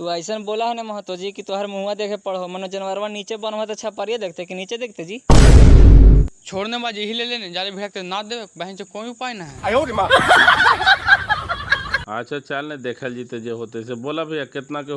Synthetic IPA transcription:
t̪uaːɪsənboːlaɦnemɐɦət̪od͡ʒiːkit̪oɦəɾmũãd̪eːkʰepəɽɦomɐnõd͡ʒɐnʋəɾʋãniːt͡ʃebənʋãt̪et͡ʃʰapəɾijad̪eːkʰt̪ekiniːt͡ʃed̪eːkʰt̪ed͡ʒiː | t͡ʃʰoːɽnemãd͡ʒeɦileleːned͡ʒaːlebʱiɽak̚t̪enad̪eebɐɦɪ̃nt͡ʃekoniupaːinaɦɛjoɾimã | ə̰tːʃʰat͡ʃaːlned̪eːkʰəld͡ʒit̪ed͡ʒeɦoːt̪eseboːlabʱiakɪt̪nake

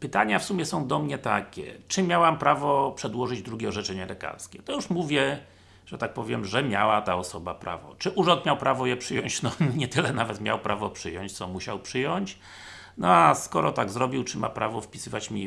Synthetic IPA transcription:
pɘt̪aɲafsumʲjɛsɔ̃w̃d̪ɔmɲɛt̪akʲɛ̰t͡ʂɘmʲjawampɾavɔpʂɛd̪wɔʐɘd͡ʑd̪ɾuɡʲɛɔʐɛt͡ʂɛɲɛlɛka̰ɾskʲɛt̪ɔjuʂmuvʲjɛ | ʐ̥ɛt̪ak̚pɔvʲjɛmʐɛmʲjawat̪aɔsɔbapɾa̰vɔ̰t͡ʂɘʔuʐɔ̃nt̪mʲawpɾavɔjɛpʂɘjɔɲt͡ɕnɔɲɛt̪ɘlɛnavɛt̪mʲja̰wpɾʔavɔpʂɘjɔɲt͡ɕt̪sɔmuɕa̰wpʂɘjɔɲt͡ɕ | nɔaskɔɾɔt̪aɡzɾɔbʲiwt͡ʂɘma̰pɾavɔfpʲi̥sɘvat͡ɕmʲi

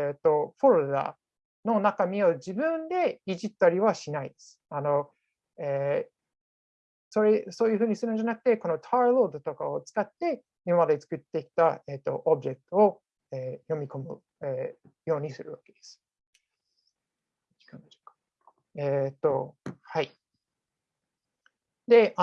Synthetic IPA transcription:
et̪ːo̞ɸo̞ɾod̪a̰ | no̞nakamʲiod͡ʑibɯ̟̃nd̪e̞iʑit̪ːaɾʲiβaɕinaid̪e̞sɨ̥ano̞ | eː | so̞ɾeso̞ːjɯ̟ɸɯ̟ːɲ̟isɨɾɯnod͡ʑanakɯ̟̥t̪e̞ko̞no̞t̪ʰaɾlo̞ːd̪o̞t̪o̞kaot͡sɨ̥kat̪ːe̞ | imamad̪e̞t͡sɨ̥kɯ̟t̪ːe̞kʲi̥t̪aet̪ːo̞̰ʔobɯ̟ʑe̞kɯ̥t̪o̞o | eːjo̞mʲiko̞mɯ̟̰ | e | jo̞ːɲ̟isɨɾɯ̟βake̞d̪̥esɨ̥ | i̥kãnd̪ɕo̥kḁ | et̪ːo̞hai | d̪e̞ʔa

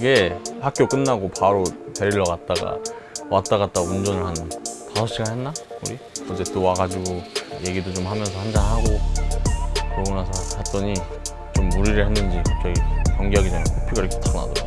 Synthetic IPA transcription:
iɡe̞hak͈jok͈ɯnːaɡopaɾote̞ɾiɾːʌɡat̚t͈aɡa̰ | wat̚t͈aɡat̚t͈aɡund͡ʑʌnɯɭhanɯnpasʰʌɕ͈iɡahennːauɾiʌd͡ʑe̞t͈owaɡad͡ʑiɡoje̞ɡidot͡ɕomhamjʌnsʰʌhand͡ʑaŋɦaɡo | oɡʌnasʰʌhet͈ʌɲi | t͡ɕomːuɾiɾɯɭhenːɯnd͡ʑik̚t͡ɕʌikjʌŋɡiɦaɡid͡ʑanakʰopʰiɡaiɾkʰet͈ʰna̰do

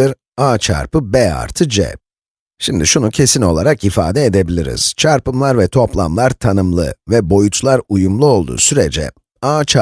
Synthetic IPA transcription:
iɾ | aːt͡ʃʰa̰ɾpɯbɛa̰ɾt̪ʰɯd͡ʒɛ̰ | ʃimd̪iʃunucʰe̞sino̞lˠaɾakifa̰ːd̪ɛed̪e̞bilʲiɾḭz̥t͡ʃʰaɾpɯmlˠaɾvɛt̪ʰo̞plˠa̰mlˠaɾt̪ʰanɯmlˠɯ̰vɛbo̞jut͡ʃlˠaɾujumlˠuo̞lˠd̪ṵːsyɾḛd͡ʒɛ̰ | aːt͡ʃʰa

